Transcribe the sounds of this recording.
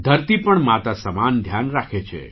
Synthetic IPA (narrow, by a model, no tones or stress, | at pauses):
d̪ʱəɾt̪ipəɳmat̪asəmand̪ʱjanɾakʰet͡ʃʰḛ